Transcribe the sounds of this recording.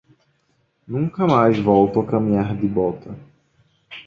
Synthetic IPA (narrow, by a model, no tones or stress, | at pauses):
nũkɐmajzvɔwt̪ʊɐkɐmĩɲaɾd̪ɪbɔt̪ʰɐ